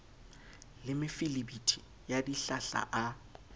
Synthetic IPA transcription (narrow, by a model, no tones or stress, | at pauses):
lɪmɪfilibitʰʼi | jadiɬaɬa̰ʔa